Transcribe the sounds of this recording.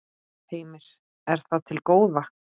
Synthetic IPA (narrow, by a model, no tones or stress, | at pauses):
tʰeːjmɪɾ̥ | ɛɾ̥θaðt̪ʰɪlkoːwðvahk̚n